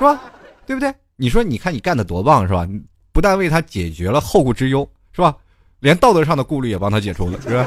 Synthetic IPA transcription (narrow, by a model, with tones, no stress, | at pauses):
ʂɻ̩˥ba˧t̪we˥˩bu˩t̪we˥˩ɪni˨˩ʂ̬wɔ˥ni˨˩kʰa˥˩ni˨˩ka˥˩nd̪ə˩t̪wɔ˧˥pɑ˥˩ŋʂɻ̩˥˩ba̰˧˩ni˨˩ | pu˧˥t̪a˥˧nwe˥˩ɪa˥t͡ɕjɛ˨˩t͡ɕɥɛ˧˥lə˧xo˥˧ʊku˥˩ʈ͡ʂɻ̩˥jo˥ʊ | ʂɻ̩˥˩ba˧ | ljɛ˧˥nt̪ɑ˥˩ʊt̪ɤ˧˥ʂ̬ɑ˥˩ŋd̪ə˩ku˥˧ly˥˩jɛ˨˩pɑ˥ŋt̪ʰa˥t͡ɕjɛ˨˩ʈ͡ʂʰṵ˥lə̰˧˨ʂɻ̩˥˩ba˧˩